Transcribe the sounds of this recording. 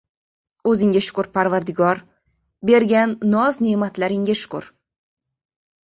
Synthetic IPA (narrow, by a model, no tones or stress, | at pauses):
ɵzɪŋɡʲaʃʊ̥kʊɾpʰaɾvaɾd̪ɪɡɒɾ | be̞ɾɡʲanːɒznemat̪ʰlaɾɪŋɡʲaʃʊ̥kʊ̰ɾ